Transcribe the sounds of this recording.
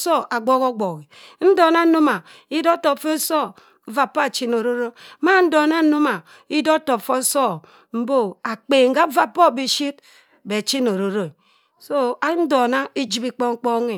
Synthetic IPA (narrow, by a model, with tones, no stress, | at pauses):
so˦˨ʔa˨ɡ͡bo˦ɣo˦ɡ͡bo˨ɣi˨n̩˦do˨na˦no˦ma˨i˦do˦to˨pfo˦so˦ | va˨pːo˦a˨t͡ʃi˦no˨ɾo˦ɾo˦ma˦n̩˦do˨na˦nu˦ma˨ | i˦do˦to˨pfo˦so˦ | m̩˦bo˦a˨k͡peː˨ŋ̩˦ɡa˦va˦pːo˦˨bi˦ʃi˦t̚ | be˨t͡ʃi˦no˨ɾo˨ɾo˨ | so˦a˨˦n̩˦do˨na˦i˦d͡ʒi˦bi˦k͡po˦ŋ̩˦k͡po˦ŋe˨